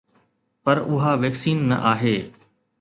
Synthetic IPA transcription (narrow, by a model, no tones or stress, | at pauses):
pɐɾʊɦaːʋeːksiːnːɐ̰ʔaːɦeː